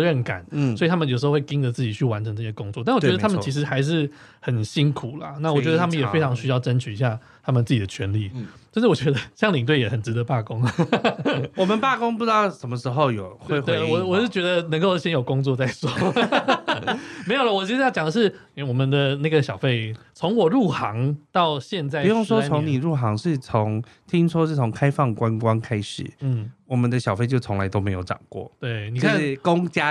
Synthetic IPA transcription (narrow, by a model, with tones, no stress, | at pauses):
ɻə˥˩nka̰˨˩˦nsɔ˧˥i˨t̪ʰa˥mə˨njʂ̩˧˥˧wki˥ŋd̪ə˨t͡sɹ̩˥˩t͡ɕi˨˩t͡ɕʰy˥˩wa˧˦nʈ͡ʂʰə˧ŋʈ͡ʂɤ˥˧˩ɕjɛ˥kʊ˥ŋt͡swɔ˥˧t̪a˥˩nwt͡ɕɛ˧˥d̪t̪a˥˧mə̃˨˧t͡ɕʰi˧˥ʂ̬̩˧˥xa˧˥ɪʂ̬ɻ̩˥˩ | xə˨˩nɕi˥nkʰu˨˩lɐ̰˦na˥˩wɔ˨˩t͡ɕɥɛ˥d̪ə˧t̪ʰa˥mə˨njɛ˨fe˥ɪʈ͡ʂʰɑ˧˥ŋɕy˥jɑ˥˩ʊʈ͡ʂə˦nt͡ɕʰy˨i˧˥ɕja˥˩ | t̪ʰa˥mə˨nt͡sɹ̩˥˩t͡ɕi˨d̪ə˩˨t͡ɕʰɥɛ˧˥nlḭ˥˨˩t͡ɕə˥nʂɻ̩˥˩wɔ˨˩t͡ɕɥɛ˧˥d̪ə˧ɕjɑ˥˧ŋli˨˩ŋt̪we˥˩ɪjɛ˨˩xə˨˩nʈ͡ʂɻ̩˧˥t̪ə˧pa˥˩kʊ˥ŋ | wɔ˨˩mə˨˦npa˥˩kʊ˥ŋp̬u˥˩t͡s̩˥t̪ɑ˥˨˩ʊʂə˧˥nmə˧ʂɻ̩˧˥xo˥˧ʊjo˨˩ʊxwe˥˧e˥˩wɔ˨˩wɔ˨˩ʂɻ̩˥˩t͡ɕɥɛ˧˥d̪ə˧nə˧˥ŋko˥˧ʊɕjɛ˥njo˨˩ʊkʊ˥ŋt͡swɔ˥˧t͡sa˥˩ɪswɔ˥ | me˧˥ɪjo˨˩lə˨wɔ˨˩i˥˩˥jt͡ɕjɑ˨˩ŋd̪ə˦ʂ̬ɻ̩˥˩ | wɔ˨˩mə˨˦nd̪ə˨na˥˩ɡə˩ɕjɑ˨˩ʊfe˥˩ɪ | t͡sʰo˧˦˥ŋwɔ˨˩ɻu˥˩xɑ˧˥ŋt̪ɑ˥˧ʊɕjɛ˥˧nt͡sa˥˧ɪ˧˦jo˥˩ŋʂwɔ˥t͡sʰoʊ˧˦ŋni˨˩ɻu˥˩xɑ˧˥ŋʂɻ̩˥˩t͡sʰo˨˦ŋ | t̪ʰi˦˥ŋʂwɔ˥ʂɻ̩˥˩t͡sʰo˧˥ŋkʰa˥ɪfɑ˥˩ŋkwa˦nkwa˦nkʰa˥ɪʂɻ̩˨˩n̩˥˩wɔ˨˩mə˨˦nd̪ə˦ɕjɑ˨˩ʊfe˥˧ɪt͡ɕo˥˩ʊt͡sʰo˧˦ŋla˧˦ɪt̪o˥ʊme˧˦jo˧˩ʊʈ͡ʂɑ̰˨˩ŋkwɔ̰˥˩t̪we˥˩ɪni˨˩˥a˥˨n̩˥˩kʊ˥ŋt͡ɕja˥